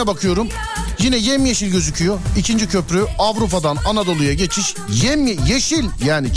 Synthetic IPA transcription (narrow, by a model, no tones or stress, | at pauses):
ɛbakʰɯjo̞ɾum | jinɛjemjeʃilʲɟø̞zycʰyjoicʰind͡ʒicʰø̞pɾyavɾupad̪ananad̪o̞lˠujaɟe̞t͡ʃʰiʃ | jɛmjeʃilʲjaːni